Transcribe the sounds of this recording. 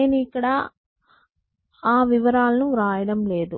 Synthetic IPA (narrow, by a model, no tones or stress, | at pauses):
neːnuikːɐɽa | aːʋiʋɐɾaːlɐnuɾaːjɐɽɐmle̞ːd̪u